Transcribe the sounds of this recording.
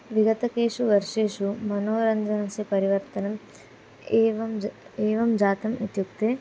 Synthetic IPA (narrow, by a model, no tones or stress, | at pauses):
ʋiɡɐt̪ɐkeːʂuʋɐɾʂeːʂumɐnoːɾɐnd͡ʒɐnɐsepɐɾiʋɐɾt̪ɐnɐm | eːʋɐmeːʋɐmd͡ʒaːt̪ɐmit̪jukt̪e